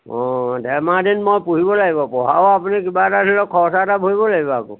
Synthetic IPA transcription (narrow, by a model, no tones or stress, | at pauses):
ɔ̃dɛmadinmojpuɦibɔlaɡibɔpɔɦa̰wapunikibatatʰilɔkʰɔsatabʱoibɔlaɡibɔakṵ